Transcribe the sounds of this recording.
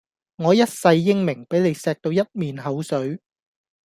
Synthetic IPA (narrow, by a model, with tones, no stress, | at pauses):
ŋɔː˨˧jɐ˥t̚sɐ˧jːɪ˥ŋmɪ˨˩ŋpe˨˥jle˨˧jsɛː˧k̚t̪o˧wjɐ˥t̚miː˨nɦɐ˨˥wsɵ˨˥ɥ